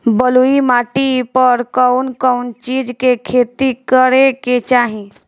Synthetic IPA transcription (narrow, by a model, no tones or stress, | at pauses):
bəluimaːʈipəɾkəʊnkəʊnt͡ʃiːd͡ʒkekʰeːt̪ikəɾeket͡ʃaːɦĩ